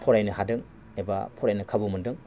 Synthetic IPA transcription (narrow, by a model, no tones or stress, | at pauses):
pʰɔɾajnɐɦadɯŋ | eba̰pʰɔɾajnɐkʰabumɯndɯŋ